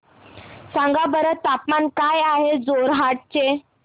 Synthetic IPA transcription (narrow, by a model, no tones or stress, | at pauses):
sãŋɡabəɾət̪ːapmankajaɦed͡zoɾɦaʈ̚t͡ɕe